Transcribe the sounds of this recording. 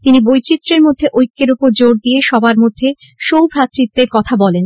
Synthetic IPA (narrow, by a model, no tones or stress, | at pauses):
t̪inibojt͡ɕit̪ːɾeɾmod̪ʱːeʔojkːeɾopoɾd͡ʑoɾd̪ijeʃɔbaɾmod̪ʱːe | ʃowbʱɾat̪ːɾit̪ːeɾkɔt̪ʰabɔlen